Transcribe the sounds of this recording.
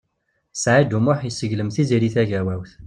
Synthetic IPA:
sʕad̪umʊħjəsəʝləmθiziɾiθæʝæwæwθ

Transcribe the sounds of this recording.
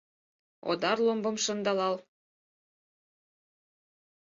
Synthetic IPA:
o̰d̪ɑrlˠombɤ̆mʃɤ̆nd̪ɑlɑlˠ

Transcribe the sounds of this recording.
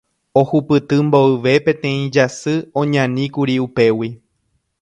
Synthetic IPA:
o̞hupɨt̪ɨmboɨʋe̞pẽ̞t̪ẽ̞ĩd͡ʒasɨõ̞ɲãnĩkuɾiupe̞wi

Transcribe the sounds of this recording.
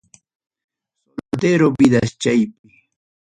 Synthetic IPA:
solld̪eɾobɪd̪ast͡ʃajpɪ

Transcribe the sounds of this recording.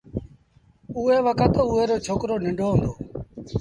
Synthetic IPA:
uːeːʋəkʰət̪ːuːɦeːɾoːt͡ʃʰoːkɾoːnɪɳɖʱoːɦə̃nd̪oː

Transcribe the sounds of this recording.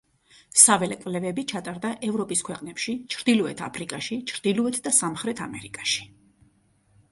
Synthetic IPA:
savɛlɛkʼvlɛvɛbit͡ʃʰat̪ʼaɾd̪aʔɛvɾɔpʼiskʰwɛqʼnɛpʃit͡ʃʰɾd̪ilɔɛt̪ʰa̰pʰɾikʼaʃit͡ʃʰɾd̪̥ilɔɛt̪ʰd̪asamχɾɛt̪ʰamɛɾikʼaʃi̥

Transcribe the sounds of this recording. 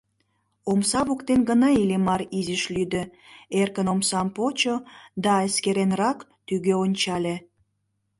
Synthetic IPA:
omsɑβokt̪enɡənɑilemɑɾizəʃlyd̪ø̆erkənomsɑmpot͡ɕod̪ɑeskeɾenrɑkt̪yɣøonʲt͡ɕɑlʲe

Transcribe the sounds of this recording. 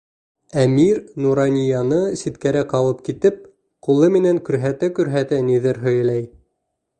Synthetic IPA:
æmiɾnuɾɑnʲijɑnɤsit̪kæɾæqɑwɤp̚kit̪ɘp̚ | qulˠɤmɘ̆næŋkʉ̆ɾɦæt̪ækʉ̆ɾɦæt̪ɘniðɘɾɦɵ̆jæ̆læj

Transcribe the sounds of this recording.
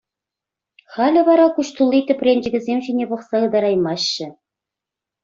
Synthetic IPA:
χælʲɘ̆βɑɾɑkuʃt̪ulˠit̪ɘ̆pʲrʲenʲd͡ʑɘ̆ɡʲɘ̆zʲemʑinʲepɤ̆χsɑɯ̆d̪ɑɾɑjmɑɕːɘ̆

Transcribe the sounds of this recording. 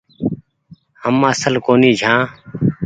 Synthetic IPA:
həmːãːsəlkoːniːd͡ʒʱãː

